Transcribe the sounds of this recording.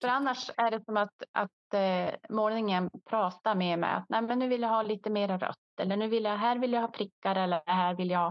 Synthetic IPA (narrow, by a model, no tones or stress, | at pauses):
fœɾanːaʂæɖɛsɔmat̪ʔa̰t̪ | moːnɪŋənpʰɾɑːt̪amemɛ̰a̰t̪̚nɛjmɛnːʉ̟ːvɪljaɦɑːliːt̪əmeːɾaɾœ̰t̪ːɛlːəɳʉ̟ːvɪljaɦæːɾvɪljahɑːpʰɾɪkːaɾɛlːəɦæːɾvɪljahɑː